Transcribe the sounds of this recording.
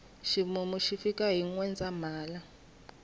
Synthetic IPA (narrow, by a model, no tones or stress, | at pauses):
ʃimumuʃifikʼaɦiŋwɛnd͡zʱʼamaːla